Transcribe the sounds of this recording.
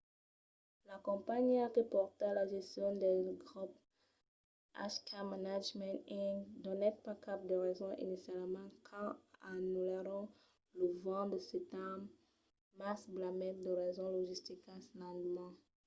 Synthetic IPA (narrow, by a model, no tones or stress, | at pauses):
lakɔ̃paɲiaʁəpɔʁt̪ealaʒɛst̪jɔ̃d̪ɛɡʁup | a̰ʃkʰamanad͡ʒmɛ̃t̪ĩd̪ɔnɛt̪̚pakap̚d̪əʁɛzɔ̃ʔḭnisjalmɑ̃kʰɑ̃anuleɾɔ̃ | ləvɑ̃d̪əset̪am | masblamɛt̪̚d̪əʁɛzɔ̃lɔʒist̪ikãslɑ̃d̪mɑ̃